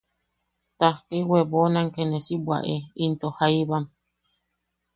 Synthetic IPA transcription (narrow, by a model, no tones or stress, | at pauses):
t̪ahkewebonaŋkenesibwa̰ʔeint̪ohaiβam